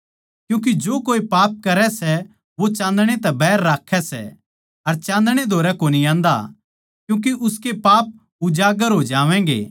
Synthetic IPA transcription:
kjũːk̬id͡ʒoːkoːipaːp̚kɐɾɛsɛ | ʋot͡ʃãːnd̪ɽ̃et̪ɛbɛːɾːaːkʰɛsɛ̰ | ɐɾt͡ʃãːnd̪ɽ̃ed̪ʱoːɾɛkoːniãːnd̪a̰ | kjũːk̬iʔʊskepaːp̚ | ʊd͡ʒaːɡəɾɦoːd͡ʒaːʋɛ̃ːŋɡḛː

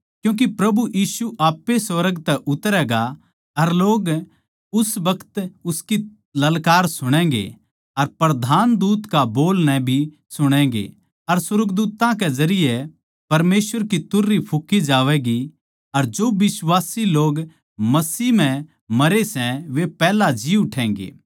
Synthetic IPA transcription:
kjũːk̬ipɾɐbujiːsuʔaːpːesʋɐɾəɡt̪ɛʔʊt̪ɾɛːɡa | ɐɾloːɡ | ʊsʋɐkʰə̥t̪ʊski | lɐlkaːɾsʊɽ̃ɛ̃ːɡḛ | ɐɾpɾɐd̪ʱaːnd̪uːt̪kaboːlnɛ̃bʱi | sʊɽ̃ɛ̃ːɡḛ | ɐɾsɐɾəɡd̪uːt̪ãked͡ʒɐɾɪje | pɐɾmeːsʋəɾkit̪ʊɾːipʰʊkːid͡ʒaːʋɛɡi | ɐɾd͡ʒoːbɪswaːsiloːɡ | mɐsiːm̤ɛ̃ | mɐɾesɛ̃ʋepɛːlad͡ʒiːʊʈʰɛ̃ːŋɡḛː

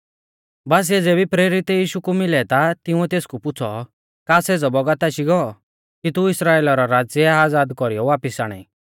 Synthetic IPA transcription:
baːs̬ɛd͡zeːbipɾeːɾɪt̪ɛjiːʃukumɪlɛt̪at̪ɪũɛt̪eːskupʊt͡sʰɔ | kaːseːd͡zɔbɔɡat̪aʃiɡɔː | kit̪uɪsɾaːeːlɔɾɔɾaːd͡zjɛaːd͡zaːd̪kɔɾijɔʋaːpɪsaːɽ̃ɛ̰i

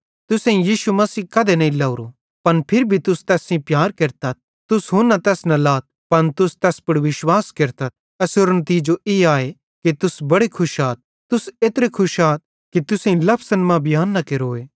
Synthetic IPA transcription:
t̪ʊsẽĩjiːʃumɐsiːkɐd̪enɐĩlɐʊɾo | pɐnpʰɪɾbʱit̪ʊst̪ɛːsĩpjaːɾkeɾt̪ɐt̪̚ | t̪ʊsɦʊ̃nːɐt̪ɛːsnɐ̃laːt̪̚pɐnt̪ʊst̪ɛːspɐɽʋɪʃwaːskeɾt̪ɐt̪̚ | ɐsoɾnət̪iːd͡ʒoʔeːaːe | kit̪ʊsbɐɽekʰʊʃaːt̪̚ | t̪ʊseːt̪ɾekʰʊʃaːt̪̚ | kit̪ʊsẽĩlɐpʰsənmãbʱɪjaːnːɐkeɾoːeː

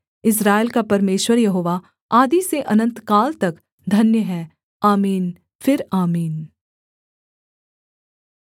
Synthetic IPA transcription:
ɪs̬ɾaːelkapɐɾmeːʃwəɾjɐɦoːʋa | aːd̪iseʔɐnə̃nt̪kaːlt̪ɐk | d̪ʱɐnjəɦɛː | aːmiːn | fʰɪɾaːmiːn

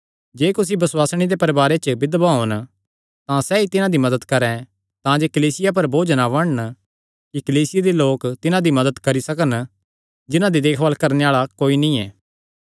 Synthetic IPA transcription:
d͡ʒeːkʊsibɐswaːsɽ̃id̪epɐɾbaːɾet͡ʃbɪd̪baɦoːn | t̪ãsɛːit̪ɪnãd̪imɐd̪əd̪kɐɾɛ̃ | t̪ãd͡ʒeːkɐliːsɪjap̬ɐɾbʱoːd͡ʒnaʋɐɽn | kikliːsɪjad̪iloːkt̪ɪnãd̪imɐd̪əd̪kɐɾisɐkən | d͡ʒɪnãd̪id̪eːkʰʋaːlkɐɾneaːɭakoːinĩɛː

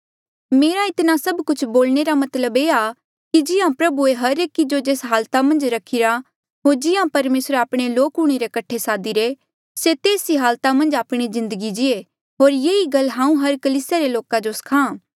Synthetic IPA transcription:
meːɾaɪt̪nasɐbkʊt͡ʃʰboːlneɾamɐt̪ləbeːa | kid͡ʒɪjãpɾɐbueɦɐɾeːkid͡ʒod͡ʒeːsɦaːlt̪amɐ̃nd͡ʒɾɐkʰɪɾa | ɦoːɾd͡ʒɪjãpɐɾmeːsɾaːpɽ̃eloːkʊɽ̃eɾekɐʈʰːesaːd̪iɾe | set̪eːsiɦaːlt̪amɐ̃nd͡ʒaːpɽ̃izɪ̃nd̪əɡid͡ʒɪe | ɦoːɾjeːiɡɐlːɦãːũɦɐɾkɐliːsjaɾeloːkad͡ʒosɐ̥kʰãː

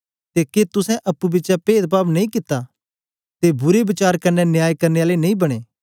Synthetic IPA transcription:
t̪eːket̪ʊsɛ̃ʔɐpːubɪːt͡ʃapeːd̪̚paːbnɐĩkɪt̪ːa | t̪ebʊɾebɪt͡ʃaːɾkɐnːɛnjaːjkɐɾneaːlenɐĩbɐɽ̃eː

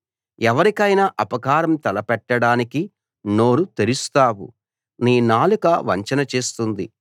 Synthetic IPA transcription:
ɛʋɐɾikɐjnɐʔɐpɐkaːɾɐmt̪ɛlɐpɛʈːɐɽaːniki | no̞ːɾut̪eɾust̪aːwṵ | niːnaːlukɐʋɐɲt͡ʃɐnɐt͡ʃeːst̪und̪ḭ

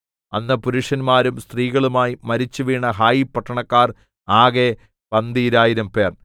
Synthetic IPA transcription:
ɐnːɐpuɾuʂɐnmaːɾumst̪riːɣɐɭumaːjimɐɾit͡ɕːuʋiːɳɐɦaːjipːɐʈʰːɐɳɐkːaːr | aːɣe | pɐnd̪iɾaːjiɾɐmpe̞ːr

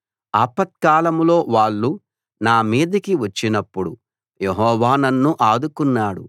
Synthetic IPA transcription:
aːpɐt̪̚kaːlɐmlo̞ːʋaːɭːu | naːmiːd̪ɐkiʋɐt͡ʃːinɐpːuɽu | jeɦɔːʋaːnɐnːuʔaːd̪ukunːaːɽṵ

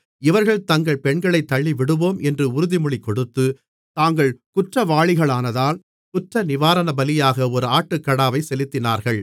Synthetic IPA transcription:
ɪʋɐɾɣɐɭt̪ɐŋɡɐɭpɛɳɡɐɭɐɪt̪ːɐɭːiʋɪɽɯʋoːmɛndrɯʊɾʊðɪmʊɭɪkːɔɽɯt̪ːɯ | t̪aːŋɡɐɭkʊʈrɐʋaːɭɪɣɐɭaːnɐðaːl | kʊʈrɐnɪʋaːɾɐnɐbɐlɪjaːɣɐɔɾɯaːʈːɯkːɐɽaːʋɐɪsɛlɪt̪ːɪnaːɾɣɐɭ

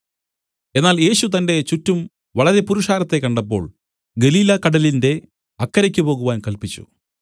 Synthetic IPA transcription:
e̞nːaːlje̞ːɕut̪ɐnde̞t͡ɕutːum | ʋɐɭɐɾe̞puɾuʂaːɾɐt̪ːe̞kːɐɳɖɐpːo̞̰ːɭ | ɡe̞liːlɐkɐɽɐlinde̞ | ɐkːɐɾɐkʲːupo̞ːɣuʋaːnkɐlpit͡ɕːṵ

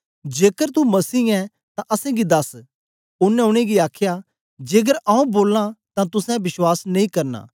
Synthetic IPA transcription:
d͡ʒeːkəɾt̪umɐsiːɛ̃ | t̪ãʔɐsɛ̃ɡid̪ɐs | ʊnːɛ̃ʊɽ̃eɡiaːkʰja | d͡ʒeːɡ̬əɾaũboːlãt̪ãt̪ʊsɛ̃bɪswaːsnɐĩkɐɾna̰ː

